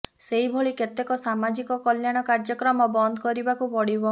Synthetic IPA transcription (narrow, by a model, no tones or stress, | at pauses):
seɦibʱoɭiket̪ekɔsamad͡ʒikɔkɔljaɽ̃ɔkaɾd͡ʒɔkɾɔmɔbɔnd̪ʱɔkɔɾibakubɔɽibɔ